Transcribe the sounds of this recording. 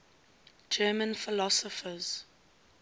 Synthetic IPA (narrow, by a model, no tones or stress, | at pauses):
d͡ʒɜːmə̃nfɪlɔsɔfəz̥